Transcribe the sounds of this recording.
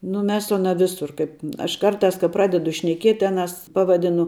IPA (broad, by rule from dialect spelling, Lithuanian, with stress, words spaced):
nʊ ˈmʲɛs sʊ ɐˈnɐ ˈʋʲɪsʊr ˈkɐɪp ɐʃ ˈkɐrˌtɑːs kɐ ˈprɑːdʲɛdʊ ʃʲnʲɛˈkʲiɛtʲ ˈɑːˌnɐs ˈpɑːʋɐˌdʲɪnʊ